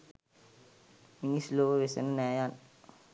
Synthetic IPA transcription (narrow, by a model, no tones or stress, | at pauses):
minisloːʋəʋesḛnənɛːjan